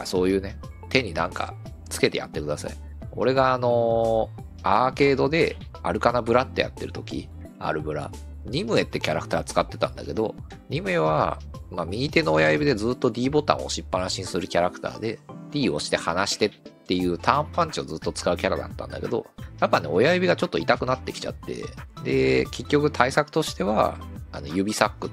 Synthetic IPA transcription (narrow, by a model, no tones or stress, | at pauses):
so̞ːjɯ̟ːne̞ | t̪e̞ɲ̟inãŋka̰t͡sɨ̥ke̞t̪e̞ja̰t̪ːe̞kɯ̟d̪asa̰i | o̞̰ɾe̞ɡaːno̞ | aːke̞ːd̪o̞d̪e̞ | a̰ɾɯ̟kanabɯ̟ɾat̪ːe̞ja̰t̪ːe̞ɾɯ̟t̪okʲḭ | a̰ɾɯ̟bɯ̟ɾa̰ | ɲ̟imɯ̟e̞t̪ːe̞kʲaɾakɯ̟̥t̪aːt͡sɨ̥kat̪ːe̞t̪ãnd̪a̰ke̞d̪o̞̰ | ɲ̟imɯ̟e̞βa̰mamʲiit̪e̞no̞ːjajɯbʲid̪e̞d͡zɨːt̪ːo̞d̪ʲiːbo̞t̪ã̰o̞̰ɕipːaɾãɕĩɰ̃sɨɾɯ̟kʲaɾakɯ̟̥t̪a̰ːd̪e̞d̪̥ʲiːo̞ɕi̥t̪e̞hanaɕi̥t̪e̞t̪ːe̞jɯ̟ːt̪ʰãmpãɲ̟t͡ɕio̞zɨt̪ːo̞t͡sɨ̥kaɯ̟kʲaɾad̪a̰t̪ːã̰nd̪a̰ke̞̰d̪o̞̰japːane̞o̞jajɯ̟bʲiɡat͡ɕo̞t̪ːoit̪akɯ̟nat̪ːe̞kʲi̥t͡ɕa̰t̪ːe̞̰d̪e̞ke̞kʲːo̞kɯ̟t̪ʰaisakɯ̟̥t̪o̞ɕi̥t̪e̞βa̰a̰no̞jɯ̟bʲisakːɯ̟